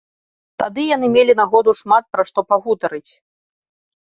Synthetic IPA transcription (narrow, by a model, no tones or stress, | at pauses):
t̪ad̪ɨjanɨmʲelʲinaɣɔd̪uʂmat̪̚pɾaʂt̪ɔpaɣut̪ɐɾɨt͡sʲ